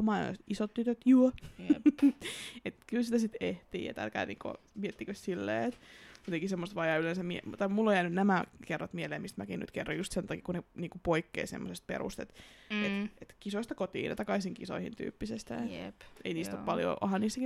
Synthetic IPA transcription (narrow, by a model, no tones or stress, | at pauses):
mɑimɑ̰t̪isot̪t̪yt̪øt̪juo | et̪kylsit̪æsit̪eht̪ḭːjɑ̰t̪æ̰lkæ̰ːnḭːŋko̰ | miet̪ːikøssilːḛːet̪jot̪ẽŋkisemːost̪ʋɑːjɑylensæmmiḛt̪ːɑmulːojæːnynnæmækerːot̪mieleːmist̪mækiny̰t̪kerːojust̪sent̪ɑkikuneniːŋkupoikːḛːsḛmːosest̪̚pḛɾṵst̪et̪eet̪kisoist̪ɑkot̪ḭːnɑ̰t̪ɑkɑisiŋkiso̰ihḭnt̪y̰ːpːisest̪æ̰ḛiniːst̪oppɑljo̰ʔo̰hɑnniːst̪æki